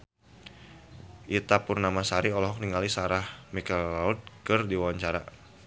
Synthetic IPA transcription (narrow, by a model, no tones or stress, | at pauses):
ʔit̪apurnamasaɾiɔlɔɦɔk̚niŋalisaɾahmikallaut̪̚kərdiwawaɲt͡ʃaɾa